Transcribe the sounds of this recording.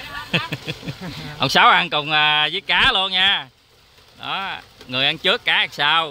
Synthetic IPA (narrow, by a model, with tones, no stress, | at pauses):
ʔə̰˧˩wŋ͡msaː˨˦wʔa˧nkʊ˨˩wŋ͡mʔəː˨˩zɨː˨˦jkaː˨˦lu˧ənɲaː˧ | ɗɔ˨˦ŋɨ˨˩əjʔa˧nt͡ɕɨ˦˥əkːaː˨˦a˨˩ŋsaː˧w